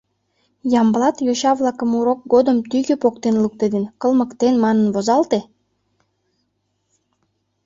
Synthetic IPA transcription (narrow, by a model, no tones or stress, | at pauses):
jɑmblɑt̪joɕɑβlˠɑkəmuɾok̚ɡod̪əmt̪yɣepokt̪enluk̚t̪ed̪enkə̆lˠmə̆kt̪enmɑnənβozɑlt̪e